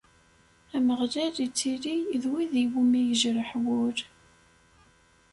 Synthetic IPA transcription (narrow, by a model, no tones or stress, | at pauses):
æməʁlælit͡sːiliðwiðiwumijəʒɾəħwʊɾ